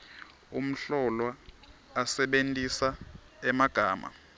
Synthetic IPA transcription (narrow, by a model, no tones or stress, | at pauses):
um̩ɬɔlwaː | sɛɓentʼisa | ɛmaɡ̥ʱaːma̰